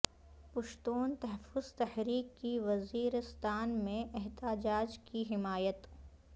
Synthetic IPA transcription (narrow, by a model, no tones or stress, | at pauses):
pʊʃt̪uːnt̪ɐɦəfʊz̥t̪ɐhɾiːkːiʋɐziːɾɪst̪aːnmẽʔɛɦt̪aːd͡ʒaːd͡ʒkiɦɪmaːjət̪